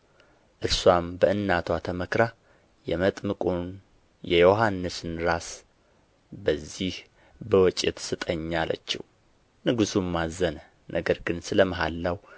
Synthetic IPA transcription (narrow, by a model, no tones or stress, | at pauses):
ʔɨɾswambəʔɨnːat̪ʰwat̪ʰəməkɾa | jɛmət̪ʼmɨkʼun | jɛjoɦanːɨsɨnɾas | bəzːih | bəwɔt͡ʃʼɪt̪sɨt̪ʼəɲːalə̰t͡ʃːɪ̰h | nɨɡɨsumːazən | nʔəɡəɾɡɨnsɨləməɦalːaw